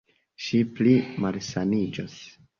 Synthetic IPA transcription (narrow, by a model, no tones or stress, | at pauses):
ʃiplimalsanid͡ʒos